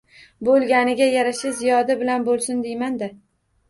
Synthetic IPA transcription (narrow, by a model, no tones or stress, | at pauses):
bolˠɡʲanɪɡʲajaɾaʃazijɒd̪abɪlanbolˠsʊnd̪ejmand̪a